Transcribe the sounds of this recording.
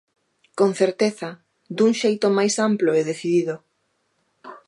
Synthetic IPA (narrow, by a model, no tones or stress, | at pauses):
konθeɾt̪eθɐ | d̪uŋʃejt̪omajsamploeðeθiðiðo